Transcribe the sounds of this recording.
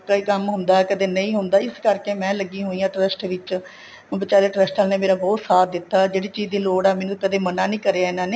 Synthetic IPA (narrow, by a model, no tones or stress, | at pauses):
kəiːkəmɦʊ̃nd̪aːkəd̪eːnəĩːɦʊnd̪aːɪskəɾkeːmɛ̃ːləɡĩːɦoːiːãːʈɾəsʈʋɪt͡ʃ | bɪt͡ʃaːleːʈɾəsʈaːlneːmeːɾaːbɔːt̪saːt̪̚d̪ɪt̪ːaːd͡ʒeːɽiːt͡ʃiːzd̪iːloːɽɛːmɛːnũːkəd̪eːmənãːnĩːkəɾeːaːɪnãːneː